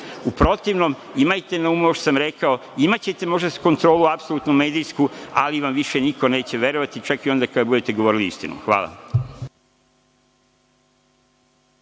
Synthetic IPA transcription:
upɾo̞t̪iʋnom | imajt̪e̞naumooʃo̥samɾe̞kaoimat͡ɕe̞t̪e̞mo̞ʒd̪ako̞nt̪ɾo̞ːluapsolut̪nume̞ːd̪iskua̰liʋamʋiʃe̞niko̞ne̞ːt͡ɕe̞ʋe̞ɾoʋat̪it͡ʃakio̞nd̪akad̪abud̪e̞t̪eɡo̞ʋo̞ːɾiliist̪inṵxʋa̰ːlˠa̰

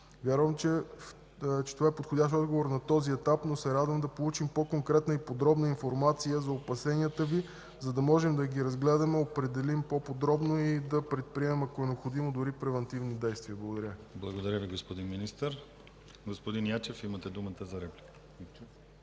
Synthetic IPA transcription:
vʲjaɾvəmt͡ʃɛ | t͡ʃɛ̥t̪ovaɛpot̪xodʲaʃt̪ɔd̪ɡovoɾnɐt̪ɔziɛt̪apnosɛɾad̪vəmd̪ɐpolˠut͡ʃimpokoŋkɾɛt̪nəipod̪ɾɔbnəinfoɾmat̪sijəzɐopɐsɛniət̪əvi | zɐd̪ɐmɔʒɛmd̪ɐɡʲiɾɐzɡlɛd̪ɐmɛopɾɛd̪ɛlimpopod̪ɾɔbnoid̪ɐpɾɛt̪̚pɾiɛmɛmɐkoɛnɛopxod̪imod̪ʊɾipɾɛvɐnt̪ivnid̪ɛjst̪viəblˠɐɡoʊd̪ɐɾʲəblˠɐɡod̪ɐɾʲjəviɡospod̪inminist̪əɾ | ɡospod̪injat͡ʃɛfimət̪ɛd̪umət̪əzɐɾɛplik

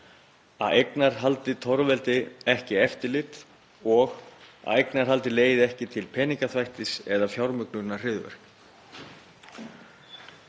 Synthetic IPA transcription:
a̰ðejknaɾ̥ɦalt̪ɪt̪ʰɔɾvɛlt̪ɪɛhcɪɛft̪ɪɾlɪt̪ | ɔɣa̰ðejknaɾ̥ɦal̪t̪ɪleːjðɪɛhcɪt̪ʰɪlpʰɛːniŋkaθvajht̪ɪsɛðafjawɾmʏknʏɾnːar̥ɪðvɛ̰ɾ̥k

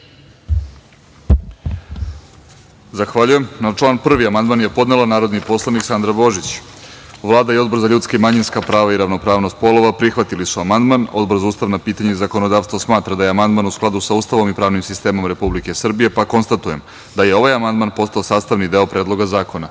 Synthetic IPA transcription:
zaxʋaʎujemnat͡ʂlˠaːnpr̩ʋiamand̪manje̞po̞d̪nelanaːɾo̞d̪nipo̞slˠaniksand̪ɾabo̞ʒit͡ɕ | ʋlˠaːd̪aio̞d̪bo̞ɾzaʎut̪skimaɲinskapɾaːʋaiɾaʋno̞pɾaːʋno̞st̪po̞lˠo̞ʋapɾixʋat̪ilisuamand̪mano̞̰d̪brzuːst̪aʋnapiːt̪aɲeizako̞nod̪aːʋst̪vosmaːt̪ɾad̪ajeamand̪manusklˠad̪usauːst̪aʋo̞mipɾaːʋnimsist̪e̞ːmo̞mɾe̞publike̞sr̩bije̞pako̞nst̪at̪ujem | d̪ajeo̞ʋajamand̪manpo̞st̪aosaːst̪aʋnid̪e̞opɾeːd̪lˠo̞ɡazaːko̞na

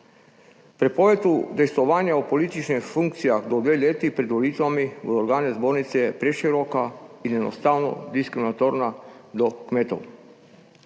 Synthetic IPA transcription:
pɾɛpɔʋet̪ud̪ɛjst̪ʋɔʋaːnjaɔpɔliːt̪it͡ʃnixfuŋk̚t̪sijaxd̪ɔd̪ʋeːleːt̪ipɾɛd̪ʋɔliːt̪ʋamiṵoɾɡaːnɛzboɾnit̪sɛjɛpɾɛʃiɾɔːkainjɛnɔ̰st̪aːwnɔ̰d̪iskɾiminat̪oɾnad̪ɔkmeːt̪o̰w

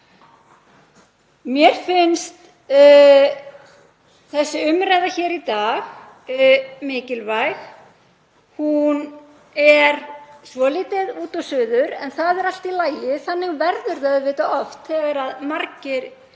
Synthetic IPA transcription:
mjɛɾ̥fɪnst̪ | θɛsːɪʏmɾaːjðaçɛːɾit̪aːɣ | mɪːcɪlvajx | hun | ɛɾsvɔːliːt̪ɪðuːt̪ɔsʏːðʏɾɛ̰nθaðɛɾal̥t̪ilaːjɪθanːɪɣvɛɾðʏɾðaðʏvɪːt̪aʔɔft̪θɛɣaɾaðmaɾcɪɾ

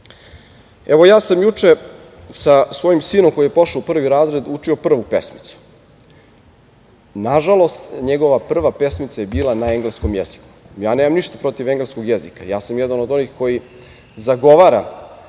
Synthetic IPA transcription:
eʋo̞jaːsamjut͡ʂe | sasʋo̞jimsiːnomko̞ijepo̞ʂaupr̩ːʋiɾaːzɾe̞d̪ut͡ʂio̞pr̩ʋupe̞smit̪su̥ | naʒalˠo̞st̪ɲeɡo̞ʋapr̩ʋape̞smit̪sajebiːlˠanae̞ŋɡlesko̞mjezi̥ku̥jaːneːmamniʃt̪ḁpɾo̞t̪iʋeŋɡlesko̞ɡjezika̰jaːsamjɛd̪anod̪o̞nixko̞ji | zaɡo̞ʋaːɾa

